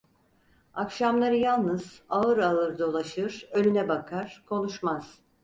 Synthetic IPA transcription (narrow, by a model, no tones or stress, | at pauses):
akʃamlˠaɾɯjalˠnɯz̥aɯɾaɯɾd̪o̞lˠaʃɯɾ̥ø̞lʲynɛbakʰaɾ̥kʰo̞nuʃmaz̥